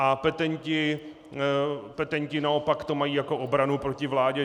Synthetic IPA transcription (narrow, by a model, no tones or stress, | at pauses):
ʔapɛt̪ɛɲcɪ | pɛt̪ɛɲcɪnao̞pakt̪o̞majiːjako̞ʔobɾanupɾo̞cɪvlaːɟɛ